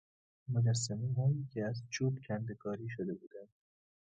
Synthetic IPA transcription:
mod͡ʒæsːæmiːɦoncʲʰeæzt͡ʃʰuːbcʲʰænd̪ekʰɒːɾiːʃod̪e̞buːd̪ænd̪̥

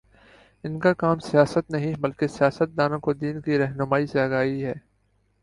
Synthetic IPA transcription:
ɪnkakaːmsɪjaːsət̪nɐɦĩbɐlkesɪjaːsət̪̚d̪aːnõkod̪iːnkiɾɐɦnʊmaːiseɐɡaːiɦɛː

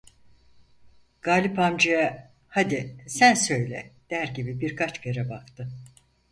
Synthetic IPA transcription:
ɡ̥aːlʲipamd͡ʒɯja | had̪isænsø̞jlʲɛ̰d̪̥æɾɟibibiɾkʰat͡ʃbeɾɛbakt̪ʰɯ

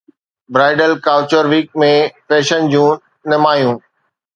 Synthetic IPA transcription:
bɾaːɪɖəlkaːʊt͡ɕəɾʋiːk̚mẽpɛːʃənd͡ʑũː | nɪmaːjũː

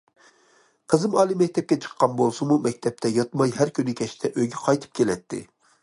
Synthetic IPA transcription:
qʰəzɨmɑːlˠɨmɛk̚ʲt̪ʰɛp̚kʲɛt͡ʃʰə̥qʰːɑnbolˠsumumɛk̚ʲt̪ʰɛp̚t̪ʰɛjɑt̪mɑjɦæɾkʲynɪkʲɛʃt̪ʰɛʔøɡʲɛqʰɑjt̪ʰɨ̥p̚kʲʰelɛt̪ʰːɪ̰

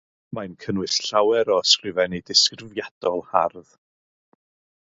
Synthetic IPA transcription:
majnkʰənwɨsɬawɛɾɔəskrɪvɛnidɪskrɪvjad̥ɔlˠha̰rð

